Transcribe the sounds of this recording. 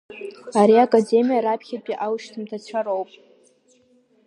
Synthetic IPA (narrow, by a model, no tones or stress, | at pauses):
aɾiakʼade̞mʲijaɾapʰχʲapʼiʔawʃtʰɨmtʰat͡ɕʷʰaɾo̞wpʼ